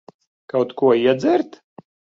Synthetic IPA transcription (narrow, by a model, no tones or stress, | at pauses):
kawt̪kuɔiɛd̪zɛɾt̪